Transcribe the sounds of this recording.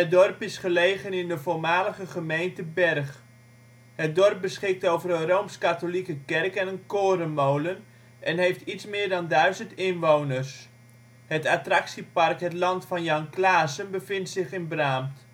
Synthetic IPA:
ədɔrpɪsχəlejχənɪndəvolmaːləχəχəmejntəbɛrχ | hət̚dɔrp̚bəsχɪk̚towvərənrowmskatolikəkɛrkɛnənkoːɾənmowlən | ʔɛnɦejftitsmɪːɹdɑndœɥzəntɪnʋownərs | hətatrɑksipɑrkɦətlɑntfɑnjɑŋklaːsənbəfɪntsɪχɪnbraːmt

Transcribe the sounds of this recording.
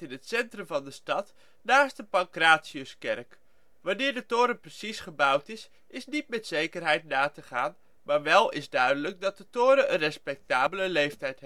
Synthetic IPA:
ɪnətsɛntrəmvɑndəstɑt | naːst̚dəpɑŋkraːtsiəskɛ̰rk | ʋɑnɪːɹdətʊːɾəprəsisχəbʌwtɪs | ʔɪsnitmɛtsejkərɦɛjtnaːtəχaːn | maːɹʋɛlˠɪzdœɥdələk̚dɑt̚dətʊːɾəənrɛspɛk̚taːbələlejftɛjtɦ

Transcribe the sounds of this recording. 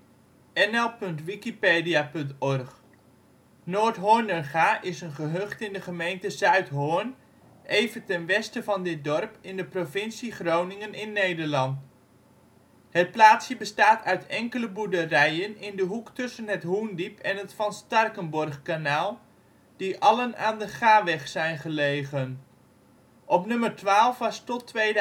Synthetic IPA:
ɛnɛlˠpɵntʋikipeːdijapɵntɔrχ | noːɹtɦoːnənχaːʔɪsənχəɦøχtɪndəχəmejntəzœɥtɦoːn | ʔejvəntɛnʋɛstəvɑndɪt̚dɔrpɪndəprovɪnsiχrownɪŋənɪnːejdəɹlɑnt | hət̚plaːtsjəbəstaːtʰœɥtʰɛŋkələbudərɛjənɪndəɦuktɵsənɦətɦundipʰɛnɦətfɑnstɑrkənbɔrχkanaːlˠ | d̥iʔɑləna̰ːndəχaːʋɛχsɛjnχəlejχən | ʔɔpnɵmərtʋaːlˠfʋɑstɔtʋej

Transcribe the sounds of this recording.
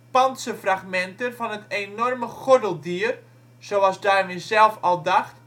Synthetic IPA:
pɑntsəfraχmɛntənfɑnəteːnɔrməχodəlˠdiər | sowɑzdaːrʋɪsɛlˠfɔlˠdɑxt

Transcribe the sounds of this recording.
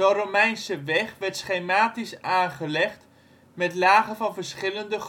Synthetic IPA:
əromɛjnsəʋɛχʋɛɹtsχejmaːtisaːχəlɛχt | mɛtlaːχəvɑnvəɹsχɪləndəχ

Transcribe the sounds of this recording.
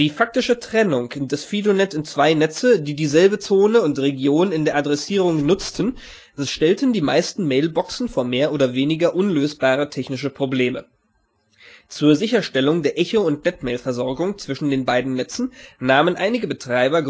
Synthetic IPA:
d̥iːfak̚tɪʃətʁ̥ɛnʊŋdɛsfiːdonɛsɪnt͡sv̥aɪnɛt͡sədiːdiːzɛlbət͡soːnəʊntʁeɡjoːnɪndeːɐʔadʁɛsiːʁʊŋnʊt͡stʰn̩ | sʃtɛltn̩diːmaɪstn̩meɪlbɔksn̩foːɐmeːɐʔoːdɐveːnɪɡɐʔʊnløːsb̥aːʁ̞ətʰɛçnɪʃəpʁ̥obleːmə | t͡suːɐzɪçɐʃtɛlʊŋdeːɐʔɛçoʊntnɛtmeːlfɛɐzɔɐɡʊŋt͡sv̥ɪʃn̩deːnbaɪdn̩nɛt͡sn̩naːmənʔaɪnɪɡəbətʁ̥aɪbɐɡ

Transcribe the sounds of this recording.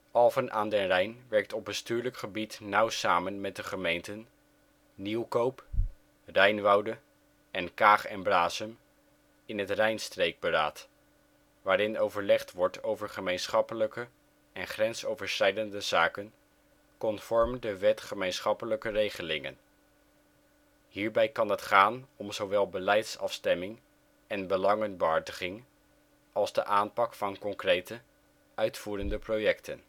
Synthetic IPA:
ɑlˠvənʔaːndɛnrɛjnʋɛɹk̚tɔbəstyːɹləkχəbitnʌwsaːmənmɛt̚dəχəmejntənː | iwkowp | rɛjnʋɑwdə | ɛnkaːχɛnblaːsəm | ɪnɦətrɛjnstrejɡ̚bəɾa̰ːt | ʋaːɾɪnowvəɹlɛχtʋɔɹtʰowvəɹχəmejnsχɑpələkə | ɛnχrɛnsowvəɹsχɛjdəndəzaːkən | kɔnfɔɹmdəʋɛtχəmejnsχɑpələkərejχəlɪŋə̰n | hiːɹbɛjkɑnɦətχaːnɔmzowʋɛlˠbəlɛjtsɑ̰fstɛmɪŋ | ɛnbəlɑŋənbəɦɑɹdəχɪŋ | ɑlˠzdəʔaːnpɑkfɑnkɔŋkrejtə | ʔœɥtfuːɾəndəprojɛktən

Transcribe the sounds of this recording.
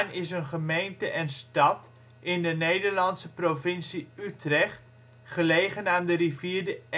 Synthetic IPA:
nɪsənχəmejntəʔɛnstɑt | ɪndənejdəɹlɑnsəprovɪnsiytrɛχt | χəlejχənaːndəriviːɹdə

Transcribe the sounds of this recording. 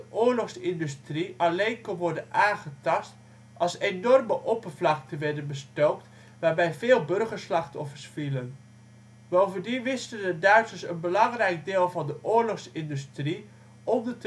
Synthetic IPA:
əʔʊːɹlɔχsɪndystriɑlejnkɑnʋɔɹdənnaːχətɑst | ɑlˠsenɔrməʔopəɹvlɑk̚təʋɛɹdənbəstowkt | ʋaːɹbɛjvɪːlˠbɵrχəɹslɑχtɔfəɹsfilən | bowvəndinʋɪstəndədœɥtsəsənbəlɑŋrɛjɡ̚dɪːlˠvɑndəʔʊːɹlɔχsɪndystri | ʔɔmdət

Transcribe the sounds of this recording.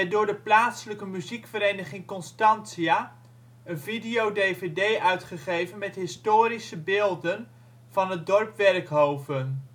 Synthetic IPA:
ɛdʊːɹdəplaːtsələkəmyzikfəɾejnəχɪŋkɔnstɑnsia | ənvidijowdevedejʔœɥtχəχejvənmɛtɦɪstoːɾisəbeːlˠdən | v̥ɑnɦət̚dɔrpʋɛrkɦowvən

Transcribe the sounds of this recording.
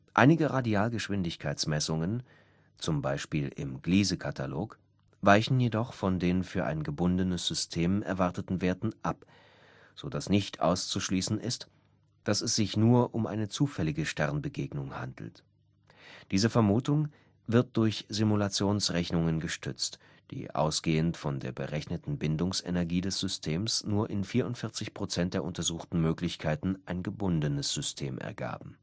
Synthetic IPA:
ʔaɪnɪɡəʁadiaːlɡəʃv̥ɪndɪçkʰaɪt͡ssmɛsʊŋən | t͡sʊmbaɪʃpiːlɪ̰mɡliːzəkʰatʰalo̰ːk | vaɪçn̩jedɔχfɔndeːnfyːɐʔa̰ɪnɡəbʊndənəsz̥ʏstʰeːmʔɛ̰ɐvaɐtətn̩veːɐtn̩ʔap | z̥odasnɪçtʔa̰ʊst͡suʃliːsn̩ʔɪst | d̥asɛsz̥ɪçnuːɐʔʊmʔa̰ɪnət͡suːfɛlɪɡəʃtɛʁnbəɡeːɡnʊŋha̰ndl̩t | d̥iːzəfɛɐmuːtʊŋ | vɪɐt̚d̥ʊɐçz̥imulat͡sjoːnsʁɛçnʊŋənɡəʃtʰʏ̰t͡st | d̥ḭːʔa̰ʊsɡ̥eːəntfɔndeːɐbə̰ʁɛçnətn̩bɪndʊŋsḛnɛɐɡiːdɛsz̥ʏstʰeːmsnuːɐʔɪnfiːɐʊntfɪɐt͡sɪçpʁ̥ot͡sɛnt̚d̥eːɐʔʊntɐzuːxtn̩møːklɪçkʰaɪtn̩ʔaɪnɡəbʊndənəsz̥ʏstʰeːmʔɛ̰ɐɡa̰ːbm̩

